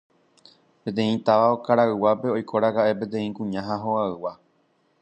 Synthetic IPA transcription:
pẽ̞t̪ẽ̞ĩt̪aʋaokaɾaɨwape̞o̞jkʰo̞ɾakaʔe̞p̬e̞t̪ẽ̞ĩkũɲãɦãɦoaɨwa

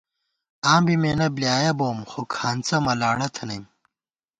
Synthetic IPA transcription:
aːmbimeːnɐblijaːjɐboːmxokʰaːnt͡sɐmɐlaːɽɐt̪ʰɐnɐjm

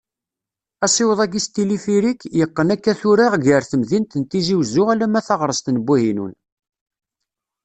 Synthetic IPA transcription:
æsˤɪwəðˤæɡist̪ilifiɾikːjəqːənækːæθʊɾaʁʝəɾθəmðint̪ənt̪iziwzʊʁælæmæθɑʁɾˤəst̪nəbːuhinṵn

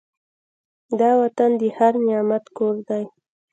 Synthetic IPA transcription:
d̪ɑwat̪and̪əhaɾnɪjɑmat̪koɾd̪aj

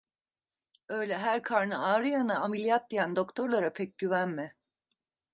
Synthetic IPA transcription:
ø̞jlʲɛɦæɾkʰaɾnɯaːɾɯjanaamilʲijat̪̚d̪ijænd̪o̞kt̪ʰo̞ɾlˠaɾapʰɛc̚ɟyvænmɪ

